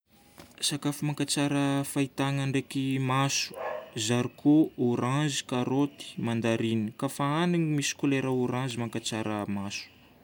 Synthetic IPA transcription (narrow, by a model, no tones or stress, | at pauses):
sakafumaŋkat͡saɾəfait̪aŋaɳɖ͡ʐekimasu̥zaɾikʰooɾãnzi̥kaɾot̪i̥mand̪aɾinikafaaniŋimisi̥kuleɾaoɾãnzimaŋkat͡saɾəmasu̥